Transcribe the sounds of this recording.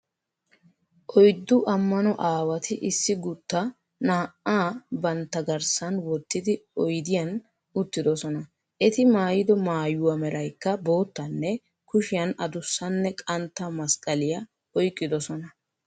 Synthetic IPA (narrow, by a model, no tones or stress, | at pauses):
ʔɔjd̪ːʊʔɐmːɐnɔʔaːwɐt̪ɪʔɪsːɪɡʊt̪ːɐ | naːʔaːbɐnt̪ːɐɡɐɾsɐnwɔt̪ːɪd̪ɪɔjd̪ɪjɐn | ʊt̪ːɪd̪ɔsɔnɐ | ʔɛt̪ɪmaːjɪd̪ɔmaːjʊwɐmɛɾɐjkːɐbo̞ːt̪ːɐnːɛ | kʊʃɪjɐnɐd̪ʊsːɐnːɛkʼɐnt̪ːɐmɐskʼɐlɪjɐ | ɔjkʼːɪd̪ɔsɔnɐ